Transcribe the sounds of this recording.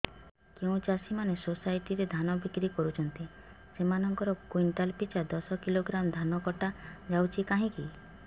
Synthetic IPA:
keũt͡ʃasimanesosajʈiɾed̪ʱanɔbikɾikɔɾut͡ʃʰɔnt̪i | semanɔŋkɔɾɔkujnʈalpit͡ʃad̪ɔsɔkiloɡɾamd̪ʱanɔkɔʈad͡ʒawt͡ʃʰikaɦĩki

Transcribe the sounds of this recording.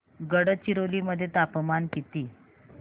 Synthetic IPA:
ɡəɽət͡ɕiɾoliməd̪ʱːjet̪apmankit̪iː

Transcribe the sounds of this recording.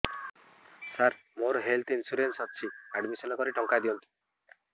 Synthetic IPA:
saɾ | moɾɦelt̪ʰinsuɾensɔt̚t͡ʃʰiaɖmisɔnɔkɔɾiʈɔŋkad̪iɔnt̪ʰi̥

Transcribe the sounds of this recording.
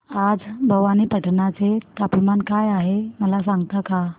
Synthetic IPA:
ad͡zbʱəʋaniːpəʈnat͡set̪apmankajaɦeməlasaŋɡt̪aka

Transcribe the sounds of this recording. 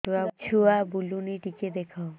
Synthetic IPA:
t̪uat͡ʃʰuabuluniʈiked̪ekʰaw

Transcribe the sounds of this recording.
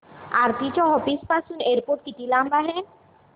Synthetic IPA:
aɾt̪it͡ʃɔɦɔpispasuneɾpoʈ̚kiʈilambaɦen

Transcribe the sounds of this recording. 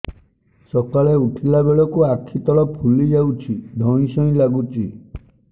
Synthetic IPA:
sɔkaɭeuʈʰilabeɭɔkuakʰit̪ɔɭɔpʰulid͡ʒawt͡ʃʰid̪ʱɔ̃ɽ̃ĩsɔ̃ĩlaɡut͡ʃʰi

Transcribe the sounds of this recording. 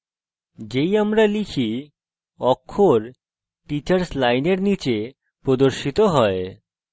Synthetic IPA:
d͡ʑejamɾalikʰi | ɔkʰːoɾ | ʈit͡ɕaɾslajneɾnit͡ɕe | pɾod̪oɾʃit̪oɦɔe

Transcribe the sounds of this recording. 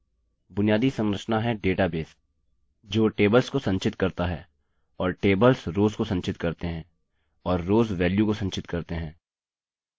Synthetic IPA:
bʊnijaːd̪isɐ̃ŋɡɾəʃnaɦɛɖeːʈabeːs | d͡ʒoːʈeːbəlskosɐ̃ɲt͡ʃɪt̪kɐɾt̪aɦɛː | ɔːɾʈeːbəlsɾoːzkosɐ̃ɲt͡ʃɪt̪kɐɾt̪eɦɛ̃ː | ɔːɾːoːzʋɛːljukosɐ̃nt͡ʃɪt̪kɐɾt̪eɦɛ̃ː

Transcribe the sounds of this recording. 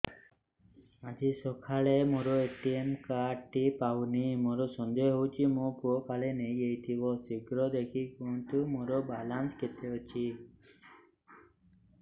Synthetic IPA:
ad͡ʒisɔkʰaɭemoɾɔeʈiemkaʈipawnimoɾɔsɔnd̪eɔɦowt͡ʃʰimopuɔpalenejɡejt̪ʰibɔsiɡɾɔd̪ekʰikunt̪umoɾɔbalansket̪ʰeut͡ʃʰi

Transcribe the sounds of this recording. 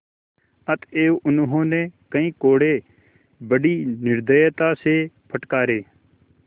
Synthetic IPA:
ət̪ʰeːoʔʊnɦõːnẽːkəĩːkoːɽeː | bəɖiːnɪɾd̪əjt̪aːseːpʰəʈkaːɾeː

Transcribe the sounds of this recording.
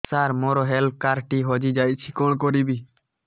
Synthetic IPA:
saːɾmoːɾoːɦeːlp̚kaːɾʈiːɦoːd͡ʒiːd͡ʒaːit͡ʃʰiːkoːɳkoːɾiːbiː

